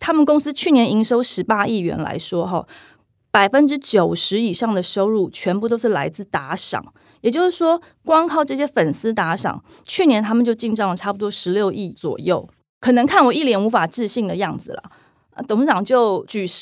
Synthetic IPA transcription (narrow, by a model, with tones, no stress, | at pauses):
t̪ʰa˥mə˨nkʊ˥ŋs̩˥t͡ɕʰy˥˨njɛ˧˥ni˧˥ŋʂo˥ʊʂɻ̩˧˥pa˥i˥˩ɥɛ̰˧˥nla̰˧˥ɪʂwɔ˥xɑ˥˧ | pa˨˩ɪfə˦nʈ͡ʂɻ̩˥t͡ɕjo˨˩ʊʂɻ̩˧˥i˨˩ʂɑ˥˩ŋd̪ə˩ʂo˥ʊɻu˥˩t͡ɕʰɥɛ˧˥npu˥˩t̪o˥ʊʂɻ̩˥˩la˧˥ɪt͡sɹ̩˥˩t̪a˧˥ʂɑ̰˨˩˦ŋ | jɛ˨˩t͡ɕjo˥˧ʊʂɻ̩˥˩ʂwɔ˥ | kwɑ˥ŋkʰɑ˥˧ʊʈ͡ʂɤ˥˩ɕ̬jɛ˥fə˨˩nsɹ̩˥t̪a˧˥ʂɑ̰˨˩˦ŋ | t͡ɕʰy˥˩njɛ˧˥nt̪ʰa˥mə˨nt͡ɕjʊt͡ɕi˥˧nʈ͡ʂɑ˥˩lə˩ʈ͡ʂʰa˥˩pu˨˩t̪wɔ˥ʂɻ̩˧˦ljo˥˧ʊʔi˥˩t͡swɔ̰˨˩jo˥˩ʊ | kʰɤ˨˩nə˧˥ŋkʰa˥˩nwɔ˨˩i˥˩ljɛ˨˩nu˧˥fa˨˩ʈ͡ʂɹ̩˥˧ɕi˥˩ŋd̪ə˩jɑ˥˩ŋd͡zɹ̩˩lə̰˩˥˧ | t̪o˧˥ŋʂɑ˨˩ŋt͡ɕjo˥˩ʊt͡ɕy˨˩